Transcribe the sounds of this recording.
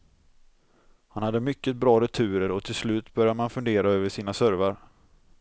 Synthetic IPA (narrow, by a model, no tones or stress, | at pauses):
hanhad̪ːəmʏkːət̪̚bɾɑːɾɛt̪ʰʉ̟ːɾəɾɔt̪ʰɪlslʉ̟ːt̪bœɾjaəmanfɵnd̪eːɾaøːvəʂiːnasœɾvaɾ